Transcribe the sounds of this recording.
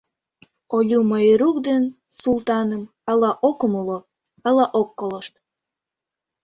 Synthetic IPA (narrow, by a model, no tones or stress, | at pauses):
olʲuməjəɾukd̪en | sult̪ɑnəm | ɑlɑʔokəmulo | ɑlɑʔokːoloʃt̪̚